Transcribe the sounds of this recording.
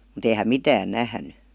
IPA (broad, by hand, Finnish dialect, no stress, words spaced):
mut ei hæm mitæːn næhny